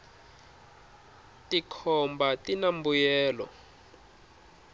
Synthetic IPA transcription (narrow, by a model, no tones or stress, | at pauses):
tikʰɔmbatinambujɛːlɔ̰